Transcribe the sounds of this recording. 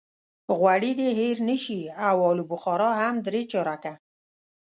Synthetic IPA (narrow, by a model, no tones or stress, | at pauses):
ɣwaɽid̪eɦeɾnəʃiawɔlubʊxɑɾɑɦamd̪ɾet͡ʃɑɾaka